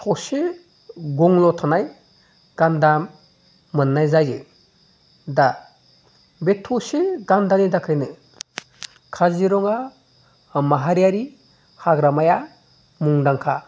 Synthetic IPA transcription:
tʰɔse | ɡɔŋlɔtʰanaj | ɡ̥andamː | ɯnːajzajd͡ʒḛ | da | betʰːɔseɡandanidakʰajnɯ | kʰaziɾɔŋa | maɦaɾijaɾi | haɡɾamaja | muŋdaŋkʰa

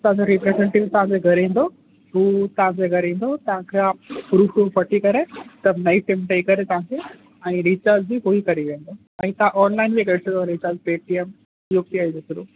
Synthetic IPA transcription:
t̪ɐɦãd͡ʑoɾipɾezẽɳʈɪʋt̪ɐʋ̤ãd͡ʑeɡʱɐɾĩːnd̪o | ɦuːt̪ɐʋ̤ãd͡ʑeɡʱɐɾĩːn̆d̪ot̪ɐʋ̤ãkʰapɾuːfʈupɐʈʰikɐɾet̪ɐbnɐisɪmʈeikɐɾet̪ɐʋ̤ãkʰe | ɛ̃ːɾit͡ɕaːɾd͡ʑd͡ʑiɦoikɐɾiʋẽːnd̪o | ɛ̃ːt̪ɐʋãʔɔːnlaɪnd͡ʑeːɡɐɽsʰə̃õɾit͡ɕəːɾd͡ʑpeːʈiem | juk̚t̪iaid͡ʑesʊɾuː

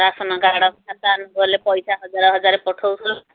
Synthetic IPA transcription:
ɾasɔnɔɡaɽɔkkʰat̪ɔanɔnd̪ɔɦelepɔjsaɦɔd͡ʒaɾɔɦɔd͡ʒaɾepɔʈʰowsʰul

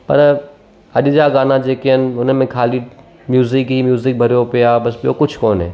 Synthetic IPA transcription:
pɐ̰ɾ | ɐɗd͡ʒaːɡaːnad͡ʒeːkeɦənɪ̆ʊnmẽkʰaːli | mjuːzɪkɦimjuːzɪk̚bʱɐɾjopɪjaːbɐsbɪjokʊt͡ʃʰkɔːnɦɛ̰ː

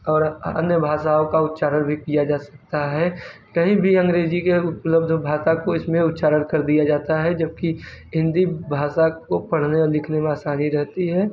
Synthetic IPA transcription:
ɔːɾə̰njəbʱaːʃaõkaʊt̪t͡ʃaːɾəɽbʱikijad͡ʒaːsɐ̥k̚t̪aɦɛ | kɐɦĩbʱiɐ̃ŋɡɾeːd͡ʒikeʊpləbd̪ʱbʱaːsakoɪsmẽʊt̪t͡ʃaːɾəɽkɐɾd̪ijad͡ʒaːt̪aɦɛd͡ʒəb̚kiɦɪ̃nd̪ibʱaːʃakopɐɽ̤neɔlɪkʰnemẽaːsaːniɾɛɦt̪iɦɛː

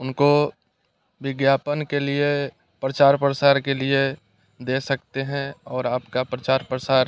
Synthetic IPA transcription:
ʊnko | ʋɪɡjaːpənkelie | pɾət͡ʃaːɾpɾəsaːɾkelie | d̪eːsɐkt̪eɦɛ̃ɔːɾaːpkapɾət͡ʃaːɾpɾəsaːɾ

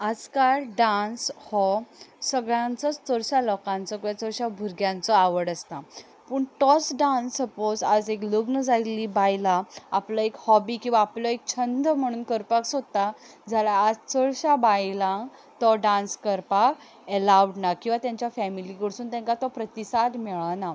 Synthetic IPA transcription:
ad͡zkaɭɖãnshɔsəɡɭjãnt͡sɔt͡st͡səɽɕalɔkãnt͡sɔkɭat͡səɭɕabʱuɾɡjãnt͡sɔaʋəɽəst̪a | puːɳʈɔsɖãnsəpod͡zad͡zekləɡnəd͡zajliːbajlaːplɔekhɔbiːkĩw̃ʋaːpljɔek̚t͡ɕʰənd̪ʱəm̤əɽ̃uːnkəɾpaksod̪̚t̪a | d͡zʱalaːd͡zt͡səɭɕabajlãŋ | t̪ɔɖãnskəɾpak | əlawɖnakĩw̃ʋat̪jaɲt͡ɕjafɛmiliɡəɽsuːnt̪ɛ̃ŋkat̪ɔpɾət̪isad̪mɛɭana

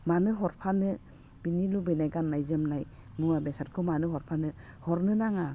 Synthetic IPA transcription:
manɯɦɔɾpʰanɯ | b̥inilubɯjnajɡanːajzɯmnaj | muwabesat̚kʰɯmanɯɦɔɾpʰanɯ | hɔɾnɯnaŋa

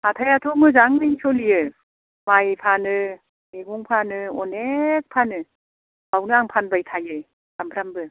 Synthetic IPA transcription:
atʰajatʰɔmɯzaŋnɯiŋsɔlijɯ | majpʰanɯ | miɡuŋpʰanɯɔnek̚pʰanɯ | bawnɯaŋpʰanbajtʰajɯ | d̥ampʰɾambɯ

